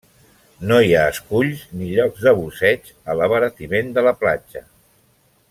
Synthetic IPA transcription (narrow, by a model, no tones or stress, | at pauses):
noiaəskuʎzniʎɔɡzðəβusɛt͡ʃ | ələβəɾət̪imend̪ələplad͡ʒə